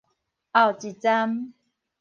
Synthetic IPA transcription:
a˥˨wt͡ɕi˨t͡sa˦m

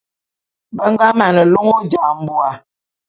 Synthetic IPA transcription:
bə˦ŋ˦ɡa˦ma˨nə˨lu˦ŋo˦d͡ʒa˨m̩˨bu˦a˨

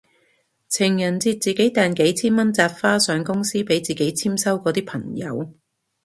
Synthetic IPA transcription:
t͡sʰɪ˨˩ŋjɐ˨˩nt͡siː˧t̚t͡siː˨ke˨˥jt̪ɛː˨nke˨˥jt͡sʰiː˥nmɐ˥nt͡saː˧t̚faː˥sœː˨˥ŋkʊ˥ŋsiː˥pe˨˥jt͡siː˨ke˨˥jt͡sʰiː˥msɐ˥wkɔː˨˧t̪iː˥pʰɐ˨˩ŋjɐ̰˨˧˥w

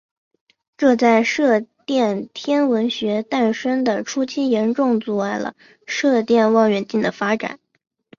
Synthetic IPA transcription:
ʈ͡ʂɤ˥˧t͡sa˥˧ɪʂɤ˥˧t̪jɛ˥˩nt̪ʰjɛ˥nwə˧˥nɕɥɛ˧˥t̪a˥˩nʂə˥ŋd̪ə˨ʈ͡ʂʰu˥t͡ɕʰi˥jɛ˧˥nʈ͡ʂʊ˥˧ŋt͡su˥˩a˥˩ɪlə̰˩ | ʂɤ˥˧t̪jɛ˥˧nwɑ˥˧˩ŋɥɛ˨˩nt͡ɕi˥˩nd̪ə˩fa˥ʈ͡ʂa̰˨˩˦n

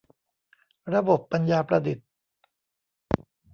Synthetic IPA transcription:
ɾa˧bo˨˩pːa˧njaː˧pɾa˧di˨˩t̪̚

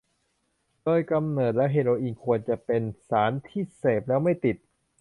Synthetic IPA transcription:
doː˧jka˧mnɤː˨˩t̪̚lɛː˦˥wɦeː˧ɾoː˧ʔiː˧nkʰu˧ənt͡ɕa˨˩pe˧nsaː˩˦nt̪ʰiː˥˩seː˨˩p̚lɛː˦˥wma˥˩jt̪i˨˩t̪̚

